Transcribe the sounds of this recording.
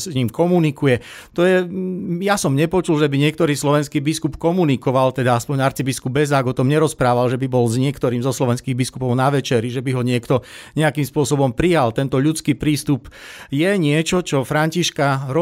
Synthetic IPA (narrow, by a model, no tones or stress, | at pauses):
sɲiːmkɔmunikujɛ | t̪ɔjɛjasɔmɲɛpɔt͡ʃulʒɛbiɲɪɛk̚t̪ɔɾiːslɔʋɛnskiːbiskupkɔmunikɔʋalt̪ɛd̪aaspɔɲaɾt͡sibiskubɛzaːɡɔt̪ɔmɲɛɾɔspɾaːʋalʒɛbibɔlzɲɪɛkt̪ɔɾiːmzɔslɔʋɛnskiːɣbiskupɔʊnaʋɛt͡ʃɛɾiʒɛbiɦɔɲɪɛkt̪ɔɲɛakimspʊɔsɔbɔmpɾijalt̪ɛnt̪ɔʎut͡skiːpɾiːst̪upjɛɲɪɛt͡ʃɔt͡ʃɔfɾaɲciʃkaɾɔ